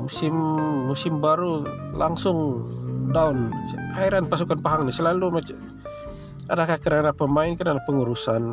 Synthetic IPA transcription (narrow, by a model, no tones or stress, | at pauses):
musɪmːusɪmbaɾulaŋsʊŋdaunaiɾanpasukanpaɦaŋnisəlalumat͡ʃa | adakahkəɾanapəmaɪnkəɾanapəŋuɾusan